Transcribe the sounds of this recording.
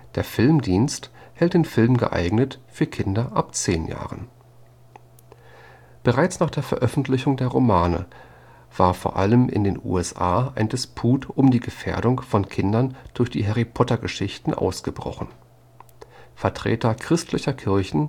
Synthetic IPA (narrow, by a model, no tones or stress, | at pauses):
d̥eːɐfɪlmdiːnsthɛlt̚d̥eːnfɪlmɡə̰ʔa̰ɪɡnətfyːɐkʰɪndɐʔapt͡seːnja̰ːʁən | b̥əʁaɪt͡snaːχd̥eːɐfɛɐʔœfn̩tʰlɪçʊŋdeːɐʁomaːnə̰ | v̥aːɐfoːɐʔaləmʔɪ̰ndeːnʔṵːɛsʔa̰ːaɪndɪspʰuːtʊmdiːɡəfḛːɐdʊŋfɔnkʰɪndɐnd̥ʊɐçd̥ḭːɦɛʁipʰɔtɐɡəʃɪçtn̩ʔa̰ʊsɡ̥əbʁɔ̰χn̩ | fɛɐtʁ̥ḛːtɐkʁ̥ɪstʰlɪçɐkʰɪɐçn̩